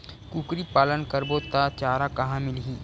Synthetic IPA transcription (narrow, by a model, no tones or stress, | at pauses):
kukɾipaːlənkəɾbot̪at͡ʃaːɾakɐɦãmɪlɦĩː